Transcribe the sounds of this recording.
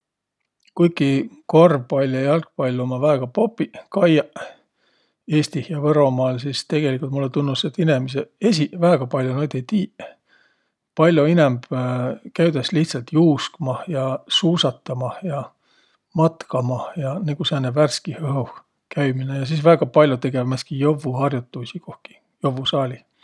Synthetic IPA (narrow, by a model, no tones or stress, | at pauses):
kujkːˑikorvpɑlʲːɑjɑlk̚pɑjlʲːumɑvæeɡ̥ɑpopːˑikɑjɑ | e̞ːst̪ihjɑvɤɾo̞mɑːlsiːst̪e̞ɡ̥e̞likˑult̪mulːet̪unːust̪et̪ːine̞mis̬ee̞s̬ivæːɡ̥ɑpɑlʲjonojd̪ejt̪iː | pɑlʲjoinemb̥kæɥd̪esliht̪sɑlt̪juːskmɑjɑsuːsɑt̪ːˑɑmɑjɑ | mɑt̪kɑmɑjɑneɡ̥useːnːeværskihɤɦu | kæjminejɑs̬isvæːɡ̥ɑpɑlʲjut̪e̞ɡ̥e̞vmeskijovːuhɑrjut̪ːˑusiko̞hki̥ | jo̞vːusɑːlʲi